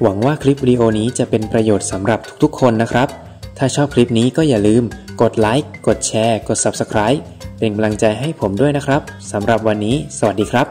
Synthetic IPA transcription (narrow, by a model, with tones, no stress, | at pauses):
wa˩˦ŋwaː˥˩kʰli˦˥p̬̚wiː˧diː˧ʔoː˧niː˦˥t͡ɕa˨˩ʔpe˧npɾa˧joː˨˩t̪̚sa˩˦mɾa˨˩p̚t̪ʰu̥˦˥k̚t̪ʰu˦˥kʰːo˧nːa˦˥kʰɾa˦˥p̚ | t̪ʰaː˥˩t͡ɕʰɔː˥˩p̚kʰli˦˥p̚niː˦˥kɔː˥˩jaː˨˩lɯː˧mko˨˩t̪̚la˦˥jkːo˨˩t̪̚t͡ɕʰɛː˧ko˨˩t̪̚sa˨˩p̚sa˧kʰɾaː˦˥j | pe˧nka˧mla˧ŋt͡ɕa˧jɦa˥˩jpʰo˩˦mdu˥˩əjna˦˥kʰɾa˦˥p̚sa˩˦mɾa˨˩p̚wa˧nːiː˦˥sa˧wa˨˩diː˧kʰɾa˦˥p̚